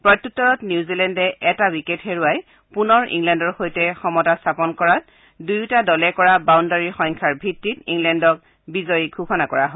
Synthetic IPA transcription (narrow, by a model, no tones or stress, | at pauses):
pɹɔjtːutːɔɹɔtnjuwzilɛndɛʔɛtawiketxeɹuaj | punɔɹḭŋlɛndɔɹxojtɛxɔmɔtastʰapɔnkɔɹat̚ | dujtadɔlɛkɔɹabawndaɹixɔŋkʰaɹbʱitːitḭŋlɛndɔk̚ | bizɔjɡʱukʰɔnakɔɹaɦɔ